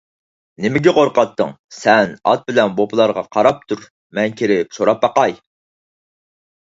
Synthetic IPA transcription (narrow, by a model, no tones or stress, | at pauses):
nɪmɪɡʲɛqoɾqɑt̪ːə̰ŋ | sɛnɑ̰t̪̚bɪlɛnbopʰɨlˠɑɾʁɑqʰɑɾɑp̚t̪ʰuɾ | mɛnkʲʰeɾɪp̚soɾɑp̚ːɑqɑj